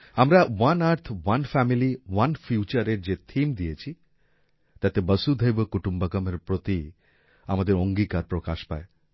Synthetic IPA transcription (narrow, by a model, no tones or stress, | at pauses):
amɾawanaɾt̪ʰwanfɛmiliwanfjut͡ɕaɾeɾd͡ʑet̪ʰimd̪ijet͡ɕʰi | t̪at̪ebəsud̪ʱəjbokuʈumbakameɾpɾot̪i | amad̪eɾoŋɡikaɾpɾokaʃpa̰e